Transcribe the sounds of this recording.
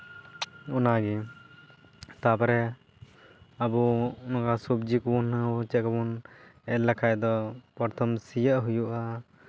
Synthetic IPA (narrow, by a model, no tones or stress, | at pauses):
ɔnaɡi | t̪apɔɾɛ | abunɔkasup̚d͡ʒikunt͡ʃɛkɔbunɛlakʰajd̪ɔpɔɾt̪ʰɔmsijəʔɦujuʔa